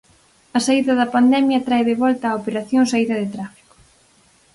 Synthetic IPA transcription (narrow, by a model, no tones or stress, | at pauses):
ɐsaiðɐðɐpand̪ɛmjɐt̪ɾaeðeβɔlt̪ɐːopeɾaθjoŋsaiðɐðet̪ɾafi̥kʊ̥